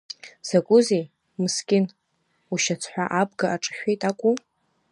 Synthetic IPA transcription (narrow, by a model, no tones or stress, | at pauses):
sakʷʼʊzej | mɨskʲʼɪn | uʃat͡sʰħʷᶣaʔabɡaʔaʈ͡ʂʼɨ̥ʃᶣejtʼakʷʼu